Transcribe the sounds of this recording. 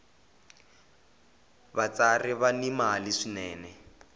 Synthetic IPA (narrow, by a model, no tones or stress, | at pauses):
bat͡sarɪβanimaliʂinɛːnɛ